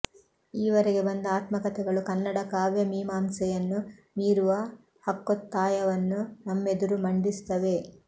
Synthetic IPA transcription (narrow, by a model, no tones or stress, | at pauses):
iːʋɐɾeɡe̞bɐnd̪ɐaːt̪mɐkɐt̪ɛɡɐɭukɐnːɐɽɐkaːʋjɐmiːmaːmsɛjɐnːuniːɾuʋɐ | hɐkːot̪ːaːjɐʋɐnːunɐmːe̞d̪uɾumɐɳɖist̪ɐʋe̞